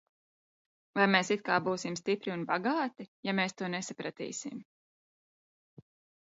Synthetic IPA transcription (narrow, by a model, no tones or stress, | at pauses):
vajmeːsit̪̚kaːbuːsimst̪ipɾiunbaɡaːt̪ijameːst̪uɔnesapɾat̪ḭːsḭm